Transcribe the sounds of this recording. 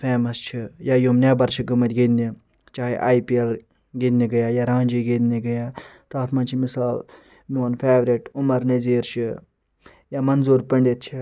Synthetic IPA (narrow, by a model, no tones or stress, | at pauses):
feːmɐst͡ʃʰijaːjomnʲaːbɐɾʃiɡɨmɐt̪ʲɡind̪i | t͡ʃaːɦḛʔaːjpiel | ɡenʲniɡɐjaːjaːɾãːnʲd͡ʒiːɡed̪niɡɐjaː | t̪aːt̪ʰmaːt͡ʃʰimɪsaːl | miɐnfeːʋɾiʈʊmɐɾnɐziːɾʃʰi | jaːmɐnzuːɾpɐɳɖit̪̚t͡ʃʰi